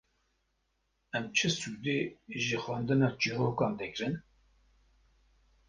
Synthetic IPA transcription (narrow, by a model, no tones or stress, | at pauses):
ɛmt͡ʃʰɨsuːd̪eːʒɨxwɑːnd̪ɨnɑːd͡ʒiːɦoːkɑːnd̪ɛkɾɨn